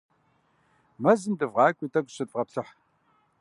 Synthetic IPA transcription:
mɐzɨndɨvʁɑːkʷʼiːtʰʼɐɡʷɕɨtʼʁɐpɬɨħ

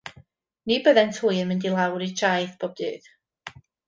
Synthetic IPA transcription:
nibəðɛntʰuːjənmɪndilˠawɾit͡ʃʰajθb̥ʰɔb̚dɨːð

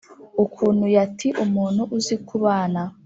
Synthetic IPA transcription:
ukʰuːn̤hujatʰiʔumuːnhuʔuzikuβaːna

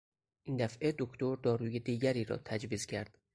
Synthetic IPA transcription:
ʔiːnd̪æfʔed̪o̞kʰt̪o̞ɾd̪ɒːɾuːjed̪iːɟæɾiːɾɒ̰ːt̪ʰæd͡ʒviːzcʰæɾd̪̥

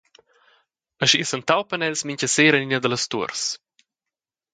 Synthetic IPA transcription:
əʃisənt̪awpənɛlsmiɲcəseːɾəninəd̪ələst̪uəɾs

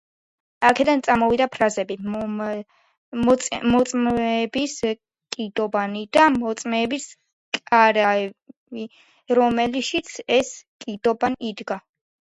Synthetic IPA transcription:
akʰɛd̪ant̪sʼamɔvid̪apʰɾazɛbi | mɔt̪sʼmɛːbis | kʼid̪ɔbanid̪amɔt̪sʼmɛːbis | kʼaɾaɛbi | ɾɔmɛliʃit̪sʰɛskʼid̪ɔbanid̪ɡa

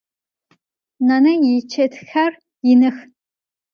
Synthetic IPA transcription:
nɐnɐjɛt͡ʃʰɐtxɐr | jɪnɨx

